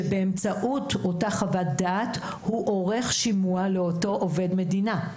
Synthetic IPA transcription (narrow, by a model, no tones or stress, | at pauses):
ebeemt͡saʔuto̞taχavat̚d̪aːt | huʔoʁe̞χʃimualeoto̞ʔove̞dme̞dina